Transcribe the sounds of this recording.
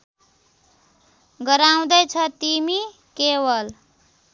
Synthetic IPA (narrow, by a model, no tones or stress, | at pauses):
ɡʌɾaw̃d̪ʌjt͡sʰʌt̪imi | kebʌl